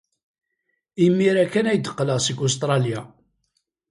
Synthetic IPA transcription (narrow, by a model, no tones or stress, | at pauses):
imːiɾækːænæjd̪ə̥qːləʁsiɡʊs̬t̪ɾˤɑlja